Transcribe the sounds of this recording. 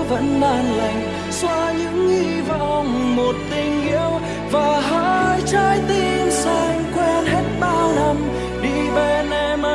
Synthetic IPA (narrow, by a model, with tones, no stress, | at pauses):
və̰˧˥nɓaː˧nla˨˩˨jŋ̟ | swaː˧ɲɨ̰˧˥ŋʔi˧vɔ̰˧˨ŋ͡mmo˨˩t̚t̪ï˧˩ŋ̟ʔḭ˧əw | vaː˨˩ɦaː˧˦jt͡ɕɔ˧˦jt̪i˧nsa˧˩ŋ̟kwɛ˧nɦe˦˥t̚t̪aː˧lə˧˩m | ɗi˧˩ve˨˩nʔɛ˧m˧